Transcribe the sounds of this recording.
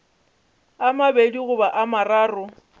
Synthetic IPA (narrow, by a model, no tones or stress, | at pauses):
amabediɣʊbaʔamaraːrʊ